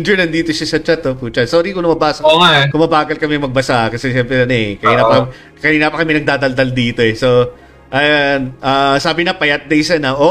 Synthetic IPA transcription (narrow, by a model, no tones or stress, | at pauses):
ɪnd͡ʒonɐnd̪iːt̪oʃɐsɐt͡ʃat̪ːoput͡ʃɐt̪soːɾikʊŋnɐmɐbaːsɐkɐkʊŋmɐbaːɡɐlkɐmɛŋmɐɡ̚bɐsaʔkɐsɛʃɛmpɾɛɐnoɛkɐiːnapɐɐm | kɐiːnapɐkɐmɛnɐɡ̚d̪aːd̪ɐld̪ɐld̪iːt̪o̞ɛso̞ | ʔɐjanʔaːsaːbɪnɐpɐjɐt̪̚d̪ɐjsɐnɐʔo